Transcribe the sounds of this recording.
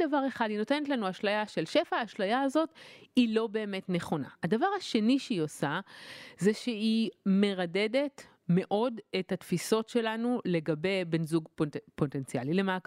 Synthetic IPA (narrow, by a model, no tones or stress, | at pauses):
davaʁe̞χadino̞te̞netlanuaʃlajaʃe̞lʃe̞faːʃlajaːzo̞tilo̞be̞ːme̞tne̞χo̞na̰hadavaʁaʃe̞niʃeio̞sazeʃeime̞ʁade̞de̞t | me̞ʔo̞dethatfiso̞tʃe̞lanule̞ɡabe̞jbenzuɡpot̪ent͡sia̰lilemak